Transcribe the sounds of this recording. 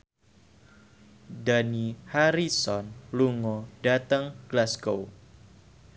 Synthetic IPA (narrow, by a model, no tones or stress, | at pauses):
danihaɾisɔnluŋɔdat̪əŋɡ̥lasɡow